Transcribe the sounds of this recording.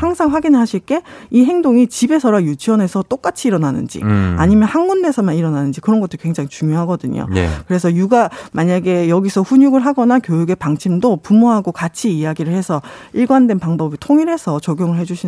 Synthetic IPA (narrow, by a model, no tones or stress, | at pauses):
haŋsʰaŋɸwaɡinɯɭɦaɕʰiɭk͈e̞iɦe̞ŋdoŋit͡ɕibe̞sʰʌɾajut͡ɕʰiwʌne̞sʰʌt͈ok͈at͡ɕʰiːɾʌnanɯ̰nd͡ʑḭa̰ɲimjʌnhanmunːesʰʌmaniɾʌnanɯnd͡ʑikɯɾʌnɡʌt͈ʰːokwe̞ŋd͡ʑaŋit͡ɕuŋjoɦaɡʌdɯɲo̰kɯɾe̞sʰʌjuɡamaɲaɡe̞jʌɡisʰʌɸuɲuɡɯɭɦaɡʌnakjojuɡe̞paŋt͡ɕʰimdopumoɦaɡokat͡ɕʰiːjaɡiɾɯɭhe̞sʰʌ | iɭɡwandwe̞npaŋbʌbitʰoŋiɭɦe̞sʰʌt͡ɕʌɡjoŋɯɭɦe̞d͡ʑuɕʰi